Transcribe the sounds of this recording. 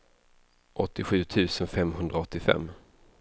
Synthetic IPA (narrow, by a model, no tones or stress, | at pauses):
ʔɔt̪ːɪɧʉ̟ːt̪ʰʉ̟ːsənfɛmɦɵnd̪ɾaɔt̪ːɪfɛ̰mː